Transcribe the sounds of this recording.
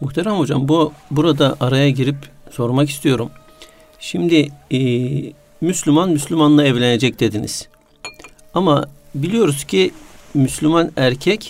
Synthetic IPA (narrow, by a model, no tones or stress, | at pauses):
muxt̪ʰeɾamho̞d͡ʒambbuɾad̪aʔaɾajaɟiɾipso̞ɾmakist̪ʰijo̞ɾum | ʃimd̪i | myslʲymanmyslʲymanlˠaɛvlʲene̞d͡ʒɛc̚d̪̥e̞d̪inḭz̥ | amabilʲijo̞ɾuz̥cʰimyslʲymanæɾcʰɛc